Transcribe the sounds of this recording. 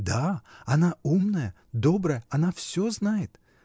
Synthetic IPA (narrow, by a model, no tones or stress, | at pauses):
d̪aɐnaumnəjə | d̪obɾəjəɐnafsʲoznajɪt̪